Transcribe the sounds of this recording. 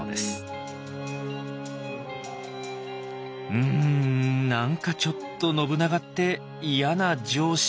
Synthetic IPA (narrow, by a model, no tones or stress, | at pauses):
d̪esɨ̥ | ɯ̟̃ːnãŋkat͡ɕo̞t̪ːo̞no̞bɯ̟naɡat̪ːe̞ | ijanad͡ʑo̞ːɕ